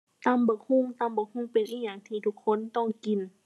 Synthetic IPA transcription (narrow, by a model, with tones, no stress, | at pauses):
t̪aː˧˥˨mbɯ˧˩˦khu˧˥˨ŋt̪aː˧˩mbɯ˧˦khu˧˩˨ŋpe˨˦nʔiː˧˥˨jɲaː˧˩ŋt̪ʰiː˧˩t̪ʰu˧˥kʰːo˧˥˨nt̪ɔ˧˩ŋki˨n